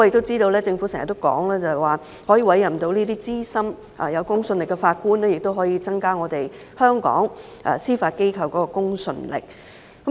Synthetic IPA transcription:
ɔ˧jk̚t̪o˥wt͡siː˥t̪o˧wlɛː˥t͡sɪ˧ŋfu˨˥sɛ˨ŋɐ̰˨˩t̪ːo˥wkɔ̰ː˨˥ŋlɛː˥t͡sɐ˨hɐ˨waː˨ | hɔː˨˥jiː˧wɐ˨˥jɐ˨˩mt̪o˧wniː˥t̪iː˥t͡siː˥sɐ˥m | ʔa̰ː˨jɐ˨˧wkʊ˥ŋsɵ˧nlɪ˨kːɛ˧faː˧t̚kuː˥nlɛː˥jɪ˨k̚t̪o˥wɦɔː˨˥jiː˨˧t͡sɐ˥ŋkaː˥ŋɔː˨˧t̪e˨j | hœː˥ŋkɔ̰ː˨˥ŋ | ʔɛ̰˧˩siː˥faː˧t̚ke˥jkʰɐ˧wkɔː˨˥kɔː˧kʊ˥ŋsɵ̰˧nlɪ̰˨k̚

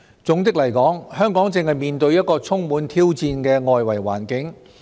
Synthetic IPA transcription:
t͡sʊ˨˥ŋt͡sɪ˥k̚lɐ˨˩jkɔː˨˥ŋhœː˥ŋkɔː˨˥ŋt͡sɪ˧ŋhɐ˨jmiː˨˧nt̪ɵ˧ɥjɐ˥t̚kɔː˧t͡sʰʊ˥ŋmuː˨˥nt̪ʰiː˥wt͡siː˧nkɛː˧ŋɔː˧jwɐ˨˩jwa̰ː˨˩nkɪ˨˥ŋ

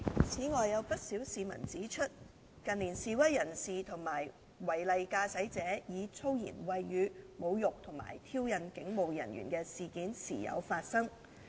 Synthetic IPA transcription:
t͡sʰiː˨˥ŋɔː˨jːɐ˨˧wpɐ˥t̚siː˨˥wsiː˨mɐ̰˨˩nt͡siː˨˥t͡ʃʰɵ˥t̚ | kɐ˨nliː˨˩nsiː˨wɐ˥jːɐ˨˩nsiː˨t̪ʰʊ˨˩ŋmaː˨˩j | wɐ˨˩jlɐ˨jkaː˧sɐ˨˥jt͡sɛː˨˥jiː˨˧t͡sʰo˥wjḭː˨˩nwɐ˨jjyː˨˧mo˨˧wjʊ˨k̚t̪ʰʊ˨˩ŋma̰ː˨˩jt̪ʰiː˥wjɐ˨nkɪ˨˥ŋmo˨wjɐ̰˨˩njy̰ː˨˩nkɛː˧siː˨kiː˨˥nsiː˨˩jɐ̰˨˧wfaː˧t̚sɐ˥ŋ

